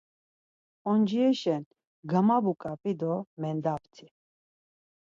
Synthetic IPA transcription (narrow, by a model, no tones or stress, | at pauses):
ɔnd͡ʒiɛʃɛn | ɡamabukʼapʼid̪ɔmɛnd̪apt̪ʰi